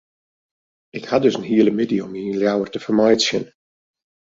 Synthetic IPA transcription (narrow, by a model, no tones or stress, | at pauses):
ɪkhadɵsənɦiələmidiɔmiənljawərtəfərmajtsjən